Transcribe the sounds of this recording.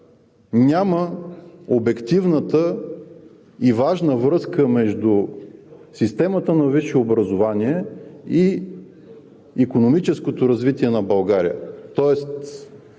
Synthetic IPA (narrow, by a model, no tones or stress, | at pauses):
nʲamə | obɛkt̪ivnət̪ə | ivaʒnəvɾɤskəmɛʒd̪u | sist̪ɛmət̪ənɐviʃɛobɾɐzovaniɛi | ikonomit͡ʃɛskot̪oɾɐzvit̪iɛnɐbɐlˠɡaɾijə̰t̪ɔɛst̪